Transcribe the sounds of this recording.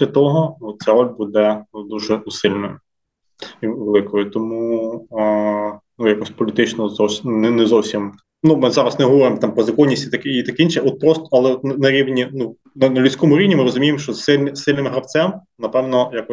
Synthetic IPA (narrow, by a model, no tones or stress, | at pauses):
sʲlʲɐt̪ɔɦɔɔt̪̚t͡s̪ʲaɾɔlʲbud̪ɛd̪uʒɛʊsɪlʲnɔj | iʋelˠɪkɔjʊt̪ɔmu | nujakɔsʲpɔlʲɪt̪ɪt͡ʃnɔzɔwsʲnɛnɛzɔwsʲim | numɪzɑɾɐsnɛɦɔʋɔɾɪmt̪ɑmpɾɔzɐkɔnʲːisʲtʲit̪ɐkɛit̪ɐkeinʃɛʔɔt̪̚pɾɔst̪ɔ̥ɐlˠɛɔt̪nɛnɐɾʲiʋnʲinu | nɐnɐlʲʊt͡sʲkɔmʊɾʲiwnʲimɪɾɔzʊmʲijemʃt͡ʃɔsɪlʲnɪsɪlʲnɪmɦɾɐwt͡sʲɛm | nɐpɛwnɔjakɔ